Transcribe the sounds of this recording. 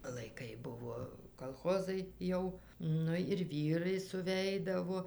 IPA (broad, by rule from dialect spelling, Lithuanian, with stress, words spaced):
lˠɐɪˈkɐɪ ˈbʊʋoː kɐlˠˈxoːzɐɪ ˈjɛʊ ˈnʊ ɪr ˈʋʲiːrɐɪ sʊˈʋʲɛɪdɐʋoː